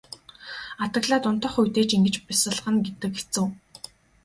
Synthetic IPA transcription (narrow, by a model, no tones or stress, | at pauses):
at̪ə̆ɣɮaːt̪ʊn̥t̪ə̆χujʲt̪eːt͡ɕiŋɡɘ̆t͡ɕpisə̆ɮ̆χə̆nɡet̪ɘ̆ke̥t͡sɘ̆w